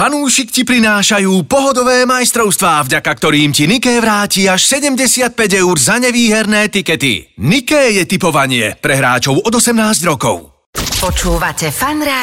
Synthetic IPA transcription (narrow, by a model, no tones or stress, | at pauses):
fanuːʃikcipɾinaːʃajuːpɔɦɔd̪ɔʋɛːmajst̪ɾɔʊst̪ʋaːvɟakak̚t̪ɔɾiːmcinikɛːʋɾaːciaʃsɛɟɛmɟɛsɪat̪̚pɛɟɛʊɾzaɲɛʋiːɦɛɾnɛːt̪ikɛt̪ḭnikɛːjɛt̪ipɔʋaɲɪɛ̰pɾɛɦɾa̰ːt͡ʃɔʊɔd̪ɔsɛmnaːzɟɾɔkɔ̰ʊ | pɔt͡ʃuːʋacɛfanɾɛ